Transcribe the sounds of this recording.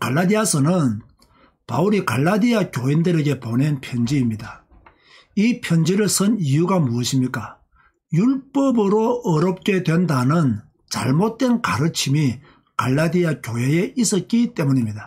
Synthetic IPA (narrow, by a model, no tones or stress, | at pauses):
kaɭːadiasʰʌnɯn | pa̰uɾikaɭːadiakjoindɯɾe̞ɡe̞pone̞npʰjʌnd͡ʑiːmɲida | ipʰjʌnd͡ʑiɾɯɭsʰɯnijuɡamuʌɕʰimɲik͈a | juɭp͈ʌbɯɾoʌɾʌp̚k͈e̞dwe̞ndanɯn | t͡ɕa̰ɭmot̚t͈we̞nkaɾɯt͡ɕʰimi | kaɭːad̪iakjoɦe̞eʔis͈ʌt̚k͈it͈e̞muɲimɲida